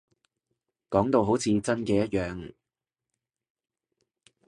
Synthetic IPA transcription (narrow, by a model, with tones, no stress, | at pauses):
kɔː˨˥ŋt̪o˧wɦo˨˥wt͡sʰiː˨˧t͡sɐ˥nkɛː˧jɐ˥t̚jœː˨ŋ